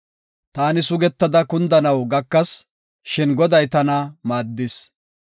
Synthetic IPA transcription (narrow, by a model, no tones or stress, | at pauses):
t̪aːnɪsʊɡɛt̪ːɐd̪ɐkʊnd̪ɐnɐwɡɐkːɐs | ʃɪnɡɔd̪ɐjt̪ɐnɐmaːd̪ːɪs